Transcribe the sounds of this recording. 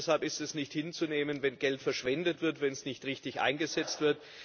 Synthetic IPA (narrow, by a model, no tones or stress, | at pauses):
shalpɪstɛsnɪçthɪnt͡suneːmənvɛnɡ̥ɛltfɛɐʃv̥ɛndətv̥ɪɐtvɛnsnɪçtʁɪçtɪçʔa̰ɪnɡəzɛt͡stv̥ɪɐt